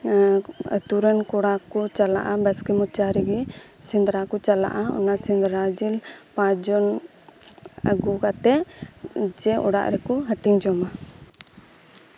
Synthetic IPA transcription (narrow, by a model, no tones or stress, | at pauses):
t̪uɾənkɔɽakɔt͡ʃala̰ʔabɛskɛmɔt͡ʃaɾiɡɛ | sind̪ɾakɔt͡ʃala̰ʔaɔ̰nasind̪ɾad͡ʒilpãd͡ʒɔn | ə̰ɡukat̪ɛʔ | d͡ʒɛɔɽa̰ʔɾɛkɔɦəʈiɲd͡ʒɔma